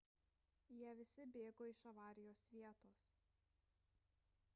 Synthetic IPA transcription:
jiɛʋʲɪsʲɪbʲeːɡoːɪʃɐʋɑːɾʲɪjoːsʋʲiɛt̪oːs

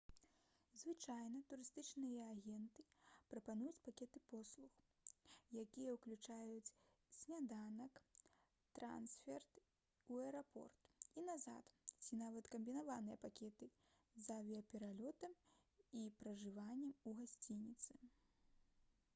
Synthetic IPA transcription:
zvɨt͡ʂajnɐt̪uɾɨst̪ɨt͡ʂnɨjɐaɣʲɛnt̪ɨpɾɐpanujut͡sʲpakʲɛt̪ɨpɔslˠux | jakʲijɐwklʲut͡ʂajut͡sʲ | sʲnʲad̪anɐk | t̪ɾa̰nsfʲɛrt̪ | uɛɾapɔ̰rt̪inaza̰t̪t͡sʲinavɐt̪kɐmbʲinavanɨjɐpakʲɛt̪ɨ | zɐvʲiɐpʲɛɾalʲɔt̪ɐmipɾɐʐɨvanʲːɛmuɣasʲt͡sʲinʲit̪sɨ

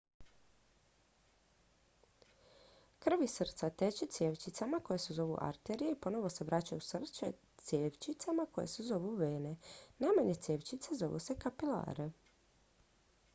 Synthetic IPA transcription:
kr̩ʋisr̩t̪sat̪et͡ɕet̪sjeːʋt͡ʃit̪samako̞je̞sezo̞ʋṵʔa̰ɾt̪eɾijeipo̞no̞ʋo̞se̞ʋɾʔat͡ɕajusr̩t̪set̪sjeːʋt͡ʃit̪samako̞je̞̰sezo̞ʋuʋeːnenajmaɲe̞t̪sjeːʋt͡ɕit̪sezo̞ʋṵse̞kapila̰ːɾe

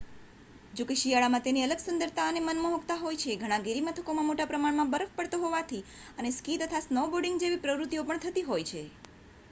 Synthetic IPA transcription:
d͡ʒokeʃijaɭamãt̪eniələɡsʊnd̪əɾt̪aənemənməɦokt̪aɦojt͡ʃʰeɡʱəɽ̃ãɡeɾimət̪ʰəkomãmoʈapɾəmaɳmãbəɾəfpəɽt̪oɦoʋat̪ʰiəneskit̪ət̪ʰasnəʋboɾɖɪ̃ŋɡd͡ʒeʋipɾəʋɾut̪ijopəɳt̪ʰət̪iɦojt͡ʃʰe

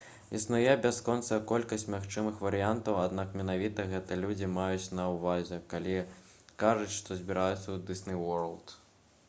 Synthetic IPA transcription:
isnujɛbʲaskɔnt̪sɐkɔlʲkɐsʲt͡sʲmʲaxt͡ʂɨmɨxvɐɾɨjant̪ɐwad̪nakmʲɛnavʲit̪ɐɣɛt̪ɨlʲud͡zʲimajut͡sʲnɐwvazʲɛkalʲi | kaʐut͡sʲʂt̪ɔzʲbʲiɾajut̪sːɐwd̪ɨsnʲɨwɔɾɐlˠt̪

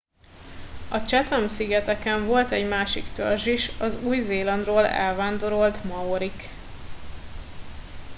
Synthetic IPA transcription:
ɒt͡ʃɛt̪ɒmsiɡɛt̪ɛkɛɱvo̞lt̪ɛɟmaːʃḭkt̪ø̰rʒiʃɒzuːjzeːlɒnd̪roːlɛ̰lvaːnd̪o̞ɾo̞lt̪mɒoɾik

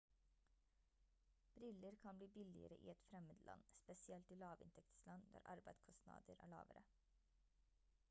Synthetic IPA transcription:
b̥ɾɪləɾkʰɑnbliːbɪlɪ̰ə̰ɾəʔḭːɛt̪fɾɛməd̪lɑ̰nspɛsɪɛlt̪iːlɑːʋɪ̰nt̪ʰɛkt̪slɑnd̪æ̰ːɾʔɑɾbæɪd̪skʰɔst̪nɑ̰ːd̪əɾʔæ̰ːɭɑ̰ːʋəɾə

